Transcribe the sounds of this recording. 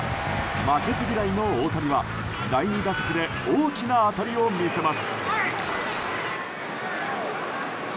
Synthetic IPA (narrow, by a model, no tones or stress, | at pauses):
make̞t͡sɨɡʲiɾaino̞oːt̪aɾʲiβa | d̪aiɲ̟id̪asokɯ̟d̪e̞ | oːkʲinaːt̪aɾʲio̞mʲise̞masɨ̥